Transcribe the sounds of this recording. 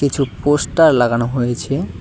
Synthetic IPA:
it͡ɕʰuposʈaɾlaɡanoɦojet͡ɕʰe

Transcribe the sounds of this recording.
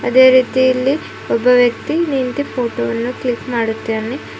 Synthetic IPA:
ɐd̪e̞ːɾiːt̪ijilːi | ɔbːɐʋjɐk̚t̪inint̪ipʰoːʈoːʋɐnːuklikmaːɽut̪ːiɾni

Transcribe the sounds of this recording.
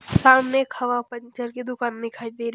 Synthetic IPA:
saːmnekʰɐʋapə̃ɲt͡ʃəɾkid̪ʊkaːnmɪkʰaːid̪eɾ

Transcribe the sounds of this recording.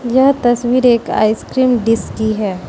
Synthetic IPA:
jɐɦt̪ɐswiːɾeːka̰ːɪskɾiːmɖɪskiɦɛː

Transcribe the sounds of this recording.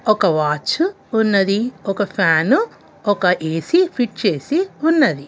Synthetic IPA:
ɔkɐʋaːt͡ʃu | unːɐd̪iɔkɐpʰaːnu | ɔkɐʔeːsipʰiʈ̚t͡ʃe̞ːsiunːɐd̪i

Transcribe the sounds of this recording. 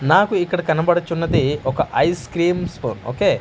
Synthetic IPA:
naːkuikːɐɽɐkɐnɐbɐɽɐt͡ʃːunːɐd̪iɔkɐʔɐjskɾiːmspʰo̰ːno̰ːkeː

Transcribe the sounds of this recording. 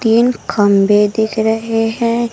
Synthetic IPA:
t̪iːnkʰɐmbed̪ɪkʰɾəɦeɦɛ̃

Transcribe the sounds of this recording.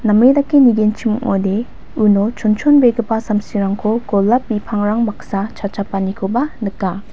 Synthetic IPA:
namedakːiniɡent͡ʃʰimuŋo̰de | unɔt͡ʃʰɔnt͡ʃʰonbeɡɯpasamsiɾaŋkʰoɡɔlːapbipʰaŋɾaŋmaksat͡ʃʰat͡ʃʰapanikʰobanɯkːa

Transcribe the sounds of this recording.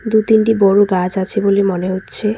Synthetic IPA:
d̪ut̪inʈibɔɾuɡad͡ʑat͡ɕʰebolimɔneɦot̪ːɕʰe

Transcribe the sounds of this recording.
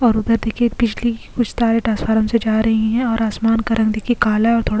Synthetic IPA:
ɔːɾʊd̪əɾd̪eːkʰiepɪd͡ʒlikʊt͡ʃʰsaːɾeʈaːsfaːɾəmsed͡ʒaːɾɐɦiɦɛ̃ɔːɾaːsmaːnkɐɾə̃ɡd̪eːkʰiekaːlaɔːɾt̪ʰoːɽ

